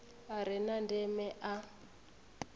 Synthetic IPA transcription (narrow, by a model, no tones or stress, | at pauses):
aɾɪnandɛmɛʔa